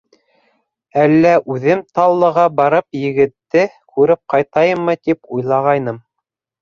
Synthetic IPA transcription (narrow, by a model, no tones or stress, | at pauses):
ælːæʔʉðɘmt̪ɑlˠːɤ̆ʁɑbɑɾɤpjɘ̆ɡɘ̆t̪ːɘ | kʰʉɾɘp̚qɑjt̪ɑjɤmːɤt̪ipujlˠɑʁɑjnɤm